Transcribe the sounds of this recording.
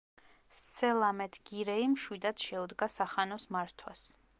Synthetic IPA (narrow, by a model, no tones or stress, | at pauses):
sɛlˠamɛt̪ʰɡ̥iɾɛimʃwid̪ad̪ʃɛud̪ɡasaχanɔsmaɾt̪ʰwas